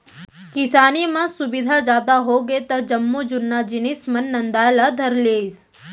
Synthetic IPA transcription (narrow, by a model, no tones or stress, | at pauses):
kɪsaːnimɐ̃sʊbɪd̪ʱad͡ʒjaːd̪aɦoɡet̪ɐd͡ʒɐmːud͡ʒʊnːad͡ʒɪnismɐnːɐnd̪aːjlad̪ʱɐɾleːs